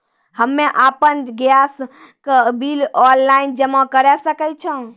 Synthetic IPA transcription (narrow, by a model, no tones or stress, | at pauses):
həmːeʔapənɡjas | kbilɔlːaind͡ʒəmãkəɾɛsəkət͡ʃʰɔ̃